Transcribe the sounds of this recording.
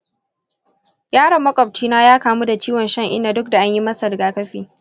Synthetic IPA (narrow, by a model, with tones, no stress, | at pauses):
jaː˦ɽɐ˨mːɐ˦kʼɔ˨b̚t͡ʃiː˦naː˦jaː˦kaː˨mu˦da˨t͡ʃiː˦wɔ˨nʃɐ˦ŋʔɪ̰˦nːaː˨dʊ˦k̚da˨ʔa˦ɲji˦mɐ˦sɐ˨ɾɡaː˦kɐ˦ɸiː˨